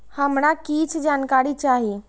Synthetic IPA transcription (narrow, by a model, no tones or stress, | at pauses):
həmɽakiːt͡ʃʰd͡ʒaːnkaːɾit͡ʃaːɦi